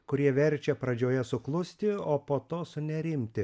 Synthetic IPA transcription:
kʊɾʲiɛʋʲɛɾʲt͡ʃʲɛpɾɐd͡ʒʲoːjɛsʊklˠʊsʲt̪ʲɪoːpoːt̪oːsʊnʲɛɾʲɪmʲt̪ʲɪ

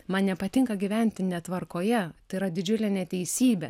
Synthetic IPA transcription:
mɐnnʲɛpɐt̪ʲɪŋkɐɡʲiʋʲɛnʲt̪ʲɪnʲɛt̪ʋɐɾkoːjɛt̪ɐɪɪɾɐd̪ʲɪd͡ʒʲʊlʲɛnʲɛt̪ʲɛɪsʲiːbʲɛ

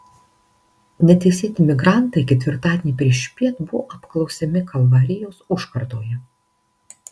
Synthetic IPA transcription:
nʲɛt̪ʲɛɪsʲeːt̪ʲɪmʲɪɡɾɑˑnˑt̪ɐɪkʲɛt̪ʲʋʲɪɾt̪ɑːd̪ʲeːnʲiːpʲɾʲiɛʃʲpʲiɛt̪bʊʋo̰ʔɐpklˠɒʊsʲɛmʲɪkʰɐlˠʋɐɾʲɪjoːsʊʃkɐɾd̪oːjɛ

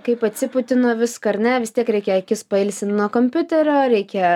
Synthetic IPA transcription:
kɐɪpɐt̪ʲsʲɪpʊt̪ʲɪnoːʋʲɪskɐɐɾʲnʲɛʋʲɪst̪ʲiɛkɾʲɛɪkʲɛɐkʲɪspɐɪlʲsʲɪnʲnuɔkoːmʲpʲʊt̪ʲɛɾʲoːɾʲɛɪkʲɛ

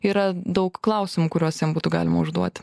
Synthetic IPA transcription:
iːɾɐd̪ɐʊkklˠɐʊsʲɪmuːkʊɾʲuɔsjɛmbuːt̪ʊɡɑ̰ːlʲɪmɐʊʒd̪uɔt̪ʲ

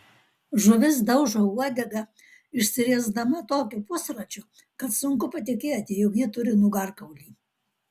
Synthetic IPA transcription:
ʒʊʋʲɪs̬d̪ɐʊʒouɔd̪ʲɛɡɐ | ɪʃʲsʲɪɾʲiɛzd̪ɐmɐt̪oːkʲuːpʊsɾɐt͡ʃʲʊ | kɐt̪sʊŋkʊpɐt̪ʲɪkʲeːt̪ʲɪjɔkjɪt̪ʊɾʲɪnʊɡɐɾkɐʊlʲiː

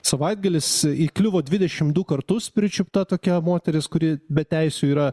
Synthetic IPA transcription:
sɐʋɐɪd̪ɡɐlʲɪsiklʲʊʋoːd̪ʲʋʲɪdʲɛʃʲɪmd̪ʊkɐɾt̪ʊspʲɾʲɪt͡ʃʲʊpt̪ɐt̪oːkʲɛmoːt̪ʲɛɾʲɪskʊɾʲiːbʲɛt̪ʲɛɪsʲuːiːɾɐ

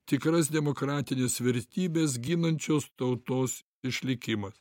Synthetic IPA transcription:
t̪ʲɪkɾɐs̬d̪ʲɛmokɾɑːt̪ʲɪnʲeːsʋʲɛɾʲt̪ʲiːbʲeːs̬ɡʲiːnɐnʲt͡ʃʲoːst̪ɐʊt̪oːs | ɪʃʲlʲɪkʲɪmɐs

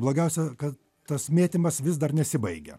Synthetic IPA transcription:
blˠoːɡʲɛʊsʲɛkɐt | t̪ɐsmʲeːt̪ʲɪmɐsʋʲɪs̬d̪ɐrnʲɛsʲɪbɐɪɡʲɛ̰

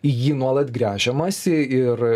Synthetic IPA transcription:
ɪjiːnuɔlˠɐt̪ɡɾʲæːʒʲɛmɐsʲɪɪr

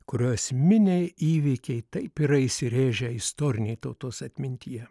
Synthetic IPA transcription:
kʊɾʲoːsʲmʲɪnʲeɪiːʋʲiːkʲɛɪt̪ɐɪpiɾɐɪsʲɪɾʲeːʒʲɛɪst̪oːɾʲɪnʲɛɪt̪oːt̪oːsɐt̪ʲmʲɪnʲt̪ʲiːjɛ

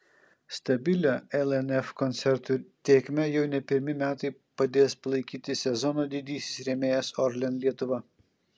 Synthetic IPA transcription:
st̪ɐbʲɪlʲoːɛlˠɛnɛfkɔnt̪sʲɛɾt̪ut̪ʲeːkʲmʲɛjɛʊnʲɛpʲɪɾʲmʲɪmʲæːt̪ɐɪpɐd̪ʲeːspɐlˠɐɪkʲiːt̪ʲɪsʲɛzɔnoːd̪ʲɪd̪ʲiːsʲɪ̥sɾʲeːmʲeːjɛsɔɾʲlʲɛnlʲiɛt̪ʊʋɐ

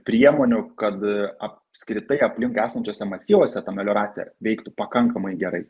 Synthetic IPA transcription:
pʲɾʲiɛmoːnʲʊkɐt̪ɐpskɾʲɪt̪ɐɪɐpʲlʲɪŋkæːsɐnʲt͡ʃʲoːsʲɛmɐsʲiːʋoːsʲɛt̪ɐmʲɛlʲoːɾɑːt̪sʲɪ̰jɛ̰ʋʲɛɪkt̪ʊpɐkɐŋkɐmɐɪɡʲɛɾɐɪ

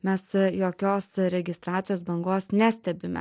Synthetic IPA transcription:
mʲɛsjoːkʲoːsɾʲɛɡʲɪst̪ɾɑːt̪sʲɪjoːsbɐŋɡoːsnʲæsʲt̪ʲɛbʲɪmʲɛ̰

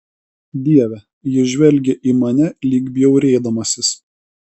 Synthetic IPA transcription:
d̪ʲiɛʋʲɛ | jɪʒʲʋʲɛlʲɡʲɛʔiːmɐnʲɛlʲiːɡbʲjɛʊɾʲeːd̪ɐmɐsʲɪs

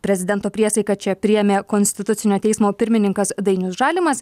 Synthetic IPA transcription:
pʲɾʲɛzʲɪd̪ʲɛnt̪oːpʲɾʲiɛsɐɪkɐt͡ʃʲɛpʲɾʲɪjɛmʲeːkonʲsʲt̪ʲɪt̪ʊt̪ʲɪnʲoːt̪ʲɛɪsmoːpʲɪɾʲmʲɪnʲɪŋkɐsd̪ɐɪnʲʊsʒɑːlʲɪmɐs

